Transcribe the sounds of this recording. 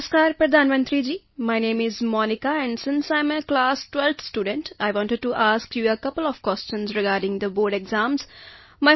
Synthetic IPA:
əskaːɾpɾɐd̪ʱaːnmɐ̃nt̪ɾid͡ʒiː | maɪnẽːmɪzmɔːnikaɛ̃ɳɖsɪ̃nsaɪ̃məklaːsʈwɛlt̪ʰsʈuːɖə̃ɳʈaɪʋɔ̃ːnʈəɖ̚ʈuʔaːskjuəkɐpəlɔʋkwɛst͡ʃə̃nzɾɪɡaːɾɖɪ̃ŋd̪əboːɾɖeɡzãːmzma

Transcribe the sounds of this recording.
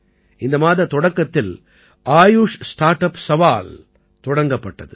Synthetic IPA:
ʔɪnd̪ɐmaːðɐt̪ːɔɽɐkːɐt̪ːɪl | ʔaːjuʂsʈaːɾʈɐpsɐʋaːl | t̪ɔɽɐŋɡɐpːɐʈːɐðɯ

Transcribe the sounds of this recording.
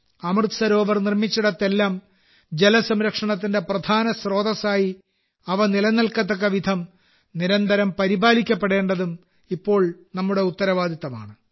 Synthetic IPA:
ɐmɨrt̪sɐɾo̞ːʋɐrnirmit͡ɕːuɽɐt̪ːe̞lːaːm | d͡ʑelɐsɐmɾɐkʂɐɳɐt̪̬ːinde̞prɐd̪ʱaːnɐsro̞ːd̪ɐsaːji | ɐʋɐnilɐnɐlkɐt̪ːɐkːɐʋid̪ʱɐm | niɾɐnd̪ʱɐɾɐmpɐɾibaːlikʲːɐpːeɽe̞ːɳɖɐðum | ipːo̞ːɭnɐmːuɽe̞ut̪ːɐɾɐʋaːd̪it̪ːɐma̰ːɳɨ

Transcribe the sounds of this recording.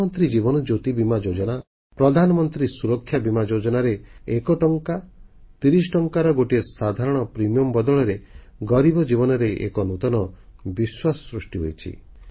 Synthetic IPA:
ɔnt̪ɾid͡ʒiβɔnɔd͡ʒot̪ibimad͡ʒod͡ʒɔna | pɾɔd̪ʱanɔmɔnt̪ɾisuɾɔkʰːjabimad͡ʒod͡ʒɔnaɾeekɔʈɔŋkat̪iɾis̬ʈɔŋkaɾɔɡoʈiesad̪ʱaɾɔɽ̃ɔpɾimijɔmbɔd̪ɔɭɔɾeɡɔɾibɔd͡ʒibɔnɔɾeʔḛkɔnut̪ɔnɔbiswasɔ̥sɾusʈiɦojt͡ʃʰḭ

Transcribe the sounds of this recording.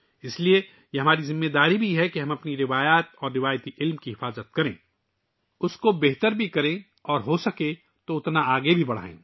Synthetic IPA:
ɪslie | jeɦɐmaːɾizɪmːeːd̪aːɾibʱiɦɛkeɦɐ̃mɐpniɾɪʋaːjaːt̪ɔːɾːɪʋaːjt̪iʔɪlmkiɦɪfaːzət̪̚kɐɾḛ̃ː | ʊskobeɦt̪əɾbʱikɐɾẽ | ɔːɾɦosɐkẽ | t̪oʊt̪naaːɡebʱibɐɽ̤a̰ːḛ̃ː

